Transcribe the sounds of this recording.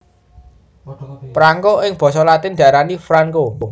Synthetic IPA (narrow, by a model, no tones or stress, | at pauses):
pɾaŋkoʔɪŋb̥ɔ̤s̬ɔlat̪ɪnd̪a̤ɾanifɾaŋko